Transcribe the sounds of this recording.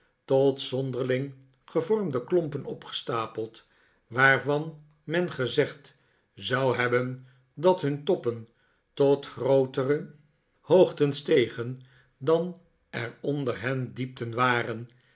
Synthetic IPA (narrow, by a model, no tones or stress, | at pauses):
tɔtsɔndəɹlɪŋ | χəvɔɹmdəklɔmpənɔpχə̥staːpəlˠt | ʋaːrvɑn | mɛnχəzɛχt | zɑwɦɛbən | dɑtɦɵntɔpən | tɔtχrowtərə | hoːχtənstejχən | dɑn | ɛrɔndərɦɛndip̚tənʋaːrən